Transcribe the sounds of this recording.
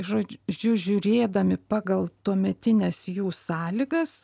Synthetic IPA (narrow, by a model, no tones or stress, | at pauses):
ʒoːd͡ʒʲʊʒʲʊɾʲeːd̪ɐmʲɪpɑːɡɐlˠt̪uɔmʲɛt̪ʲɪnʲɛsjuːsɑːlʲɪɡɐs